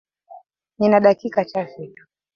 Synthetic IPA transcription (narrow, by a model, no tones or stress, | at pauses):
ninaɗakikat͡ʃafitu̥